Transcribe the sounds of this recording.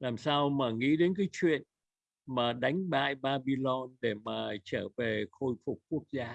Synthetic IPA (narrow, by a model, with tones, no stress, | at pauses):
laː˨˩msaː˧wmaː˨˩ŋḭ˧˥ɗe˨˦nk̬aː˨˦jt͡ɕwḭ˧˨ən | maː˨˩ɗa˨˦jŋ̟ɓa̰ː˧˨jɓaː˧ɓi˧lɔ˧nɗe˧˩maː˨˩t͡ɕəː˧˩ve˨˩xo˧jfʊ˨˩k͡p̚ku˦˥ək̚zaː˧